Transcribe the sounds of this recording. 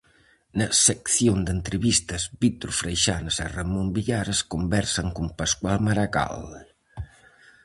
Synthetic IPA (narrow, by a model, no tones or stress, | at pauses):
nɐsekθjond̪ent̪ɾeβist̪ɐzbit̪oɾfɾejʃansɐ̰ramombiʎaɾskombɛɾsɐŋkumpaskwalmaɾaɣa̰l